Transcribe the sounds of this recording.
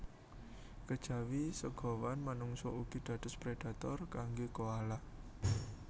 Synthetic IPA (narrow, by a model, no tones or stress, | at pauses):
kəd̥ʒ̥a̤wisəɡ̥ɔ̤wanmanuŋsɔuɡ̥i̤d̪̥ä̤d̪̥ʊspɾed̥at̪ɔrkaŋɡokoala